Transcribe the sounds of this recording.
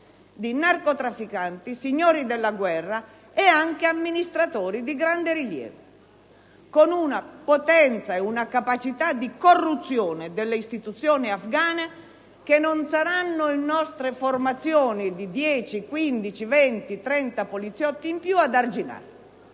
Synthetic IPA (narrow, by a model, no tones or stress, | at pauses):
d̪inarkot̪ɾafːikant̪isiɲːɔːɾid̪ɛlːaɡwɛrːa | ɛaŋkeamːinist̪ɾat̪ɔːɾid̪iɡɾand̪eɾiljɛ̰ːvo | konunapot̪ɛnt̪saɛunakapat͡ʃit̪ad̪ikorːut̪sːjɔːned̪elːeist̪it̪ut̪sːjɔːnɪafɡaːna | kenːonsaɾanːoinːɔst̪ɾeformat̪sːjɔːnid̪id̪jɛːt͡ʃikwind̪it͡ʃivɛnt̪it̪ɾɛnt̪apolit̪sjɔt̪ːiːmpjuad̪ard͡ʒina̰ːɾ